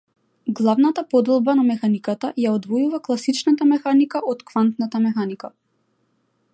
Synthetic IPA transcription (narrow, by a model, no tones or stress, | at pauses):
ɡlˠavnat̪apɔd̪ɛlˠbanamɛxanikat̪ajaɔd̪vɔjuvaklˠasit͡ʃnat̪amɛxanikaʔɔt̪kvant̪nat̪amɛxanika